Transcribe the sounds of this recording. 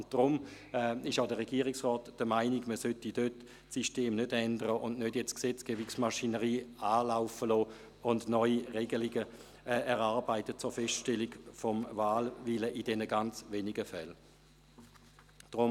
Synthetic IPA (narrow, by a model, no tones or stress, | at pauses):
ʊntd̥ʁʊm | ɛɪʃaʊdəʁɛɡ̥iːʁiksʁɔːtd̥əmaɪniɡməsøtidøt | siʃteːmnødɛndəʁəʔʊnnødjɛt͡sksɛt͡sɡ̥ɛːbiksmaʃinəʁiːaːlaʊfəlɔː | ʊndnɔʏiʁɛɡəliɡə | ɛʁaʁbaɪtət͡sʊɐfɛstʃtɛliɡfɔmvaːlviləʔidɛnəɡant͡sʋeːniɡəfɛl | d̥ʁʊm